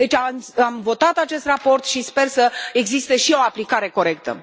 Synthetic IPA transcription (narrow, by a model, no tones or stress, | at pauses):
d̪e̞t͡ʃʲamamvo̞t̪at̪at͡ʃe̞st̪rapo̞rt̪ʃispe̞rsəeɡzist̪e̞ʃio̞aplikaɾe̞ko̞ɾe̞k̚t̪ə̰